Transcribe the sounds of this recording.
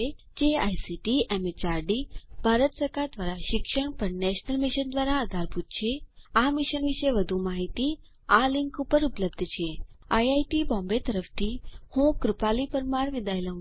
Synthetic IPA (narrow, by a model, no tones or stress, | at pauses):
e | d͡ʒea̰jsiʈiʔɛmet͡ʃaɾɖibʱaɾət̪səɾkaɾd̪ʋaɾaʃɪkʃəɳpəɳnɛʃnəlmɪʃənd̪ʋaɾaəd̪ʱaɾput̪̚t͡ʃʰeamɪʃənʋɪʃeʋəd̪ʱumaɦit̪i | alɪŋkupəɾupələbd̪ʱt͡ʃʰeajajʈibɔ̃mbet̪əɾəft̪ʰihũkɾɪpalipəɾmaɾʋɪd̪aeləũ